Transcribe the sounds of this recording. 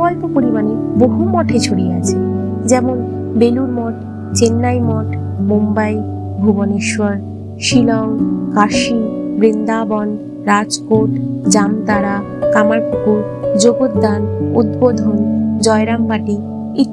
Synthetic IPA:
ɔlpopoɾimaneboɦumɔʈʰet͡ɕʰoɽiat͡ɕʰe | d͡ʑɛmon | beluɾmɔʈ | t͡ɕenːajmɔʈ | mumbaj | bʱuboneʃwaɾ | ʃilaokaʃibɾind̪abɔn | ɾad͡ʑkoʈd͡ʑamt̪aɾa | kamaɾpʰukuɾ | d͡ʑoɡod̪d̪anud̪bod̪ʱond͡ʑɔeɾampaʈi | i

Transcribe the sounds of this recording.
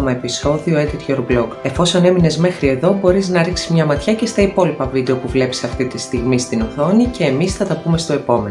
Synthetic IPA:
mɐepiso̞ðio̞et̪it̪ʝoɾbloke̞fo̞so̞ne̞mine̞zme̞xɾie̞ðo̞bo̞ɾiznɐɾiksizmɲɐmɐt̪çɐce̞st̪ɐipo̞lipɐvid̪e̞o̞puvle̞pi̥sɐft̪it̪ist̪iɣmist̪inoθo̞nice̞ːmisθɐt̪ɐpume̞st̪o̞e̞po̞me̞n

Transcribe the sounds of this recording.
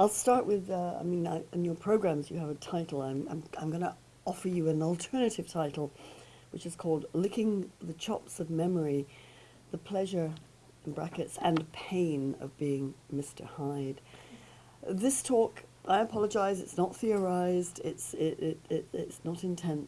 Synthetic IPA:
aɪlˠstɑɹʔwɪðʌa̰ɪmĩnaɪɨ̃njə˞pʰɹ̥oʊɡɹæ̃mzjɨːvɨtʰaɪɾl̩ˠãɪ̃mã̰ɪ̃mãɪ̃mɡʌnə̰ | ɔfə˞jɨɨ̃nl̩ˠtʰɜ˞nɨɾɨv̥tʰaɪɾl̩ˠ | wɨt͡ʃɨz̥kʰɔlˠdlʊkɪ̃ŋðɨt͡ʃʰɑ̰psʌvmɛmə˞i | ðɨpʰl̥ɛʒə˞ | ɪ̃nbɹæ̰kɨtsɨ̃npʰẽɪ̃nʌ̰vbiɪ̃ŋmɪstə̰˞haɪd̥ | ðɪstʰɔkʔaɪɨpʰɑlˠəd͡ʒaɪzɨtsnət̪̚θiə˞aɪzdɪtsɪɾɪɾɪɾɪtsnəɾɨ̃ntʰɛ̃n

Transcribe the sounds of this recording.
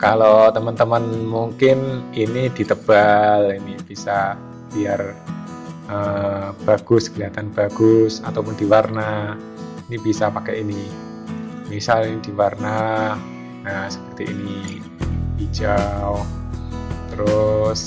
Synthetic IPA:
kalot̪əmənt̪əmənmuŋkɪninidit̪əb̥alinib̥isa | b̥iar | ʔəb̥aɡ̥ʊskəliat̪anb̥aɡʊsat̪awpʊndiwarnah | inibisapakɛini | misalinidiwarnah | nasə̥pərt̪iʔini | b̥id͡ʒa | t̪əɾʊs

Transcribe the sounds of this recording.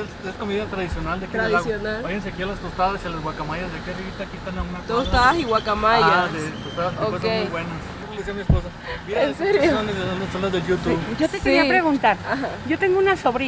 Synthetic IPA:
esesko̞miðat̪ɾaðisjo̞nald̪ekeɾðiaɣsonaajens̬eakialast̪ost̪aðasialazɣwakamaʝazðekiarit̪akiest̪anaunat̪ost̪aasiɣwakamajad̪et̪ost̪aðad̪eoes̬oemujβwenas | esiamiespo̞s̬a | bjeneseɾjoond̪ezsond̪asonazðeʝut̪uβɟ͡ʝo̞t̪ekeɾiapɾe̞ɣunt̪aɾahaɟ͡ʝo̞t̪e̞ŋɡounaso̞βɾi

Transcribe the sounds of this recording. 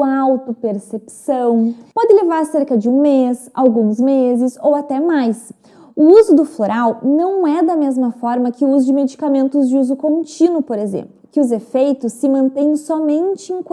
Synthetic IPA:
awt̪ʊpeɾsepsɐ̃w̃pɔd̪ɪlevaɾseɾkɐd͡ʒɪũmesa̰wɡũzmezɪzowat̪ɛmajs | ʊuzʊd̪ʊfloɾʔawnɐ̃w̃ɛd̪ɐmezmɐfɔɾmɐkɪʊuzʊd͡ʒɪmed͡ʒikamẽnt̪ʊzd͡ʒɪuzʊkõnt͡ʃĩnʊpoɾezḛ̃mplʊkɪʊzefejt̪ʊsːɪmɐ̃nt̪ẽj̃sɔmẽnt͡ʃɪẽk

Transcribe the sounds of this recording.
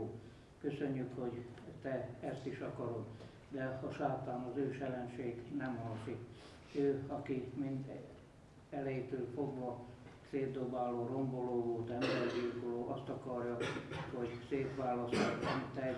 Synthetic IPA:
kø̞sø̞ɲːykho̞ɟt̪ɛɛst̪iʃɒkɒɾom | d̪ɛɒʃaːt̪aːnɒzøːʃɛlɛnʃeːɡnɛmɦɒŋsik | øːɒkimind̪ | ɛlɛjit̪øːlfo̞ɡʋɒt̪seːd̪o̞baːloːro̞mbo̞loːvolt̪ɛmbɛɾɛd̪irkoloːʔɒst̪ɒkɒrjɒho̞ɟseːpʋaːlɒst̪ɒmit̪ːɛ

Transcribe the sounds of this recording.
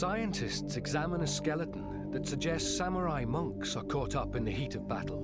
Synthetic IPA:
saɪɨ̃ntʰɪstsɨɡzamə̃nɨskɛlˠəʔn̩ | ðɨtsɨɡ̚d͡ʒɛstsaməɹaɪmʌ̃ŋksə˞kʰɔˑɾʌpɨ̃nðɨɦitəvbaɾˡl̩ˠ

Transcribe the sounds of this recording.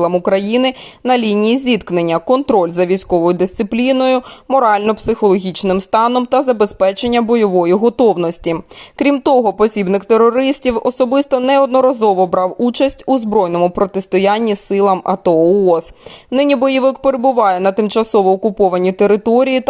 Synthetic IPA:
lˠɐmʊkɾɐjinɪnɐlʲinʲijizʲit̪knenʲːɐkɔnt̪ɾɔlʲzɐʋʲijsʲkɔʋɔjʊd̪ɪst̪sɪplʲinɔjʊmɔɾɑlʲnɔpsɪxɔlˠɔɦʲit͡ʃnɪmst̪ɑnɔmt̪ɐzɐbespɛt͡ʃe̞nʲːɐbɔjɔʋɔjiɦɔt̪ɔwnɔsʲtʲikɾʲimt̪ɔɦɔpɔsʲibnɪkt̪eɾːɔɾɪsʲtʲiwɔsɔbɪst̪ɔnɛɔd̪nɔɾɐzɔʋɔbɾɑwut͡ʃɐsʲtʲuzbɾɔjnɔmʊpɾɔt̪est̪ɔjanʲːisɪlˠɐmɐ̰t̪ɔɔsnɪnʲibɔjiʋɪkpeɾebʊʋɑjɛnɐt̪ɪmt͡ʃɐsɔʋɔːkʊpɔʋɐnʲit̪e̞ɾɪt̪ɔɾʲijit̪

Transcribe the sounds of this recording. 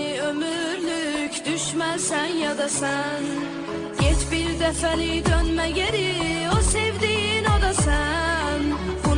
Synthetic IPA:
iø̞myɾlʲycd̪yʃmæɾsænjad̪asæn | jɛt͡ʃbiɾd̪ɛfɛlid̪ønmɛɟeɾiosɛvd̪iːno̞d̪asæn | bun

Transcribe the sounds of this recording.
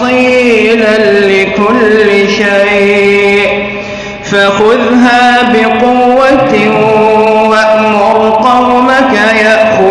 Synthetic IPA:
iːlanlɪkʊlːɪʃaj | ʔ | faxʊðɦaːbɪqʊwːat̪ | waʔmʊɾʊqɑwmakajaʔxʊ

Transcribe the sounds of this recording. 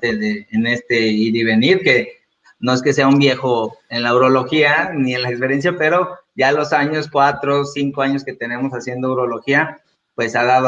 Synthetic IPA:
eðeːnest̪eiɾiβ̞e̞niɾke̞ | no̞eske̞se̞aumbje̞xoenlauɾo̞lo̞xianie̞nlaekspe̞ɾje̞ns̬jape̞ɾo̞ɟ͡ʝalo̞saɲo̞skwat̪ɾo̞siŋkoaɲo̞ske̞t̪e̞ne̞mo̞sasje̞nd̪owɾo̞lo̞xia | pwe̞saðaðo

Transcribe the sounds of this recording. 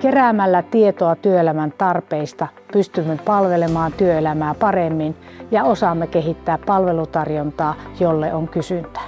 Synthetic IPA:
keræˑmælːæt̪iet̪oɑt̪yøelæmænt̪ɑrpeist̪ɑ | pyst̪ymːepɑlʋelemɑːnt̪yøelæmæːpɑremːin | jɑosɑmːekehit̪ːæːppɑlʋelut̪ɑrjont̪ɑːjolːeʔoŋkysynt̪æ̥

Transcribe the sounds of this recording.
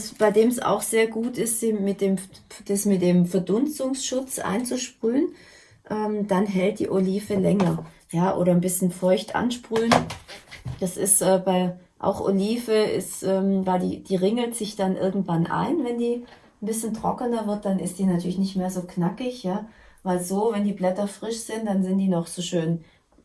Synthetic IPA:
sb̥aɪdeːmsa̰ʊxz̥eːɐɡuːtɪstd̥iːmɪt̚d̥eːmd̥asmɪt̚d̥eːmfɛɐdʊnstʊŋsʃʊt͡sʔa̰ɪnt͡suʃpʁ̥yːən | ʔɛːmd̥anɦɛlt̚d̥ḭːʔoliːfəlɛŋɐ | jaːʔo̰ːɾɐnbɪsçənfɔʏçtʔa̰nʃpʁ̥yːən | d̥asɪstʔɛːbaɪʔa̰ʊxʔo̰liːfəʔɪ̰stʔɛːmvaɪldḭːd̥iːʁɪŋl̩tz̥ɪçd̥anʔɪ̰ɐɡŋ̩tv̥anʔa̰ɪnvɛndiː | nbɪsçən̩tʁ̥ɔkənɐvɪɐt̚d̥anɪstd̥iːnatʰyːɐlɪçnɪçtmeːɐzoːknakɪçjaːvaɪlzoːvɛndiːblɛtɐfʁ̥ɪʃz̥ɪntd̥anzɪntd̥iːnɔχz̥oːʃøːn

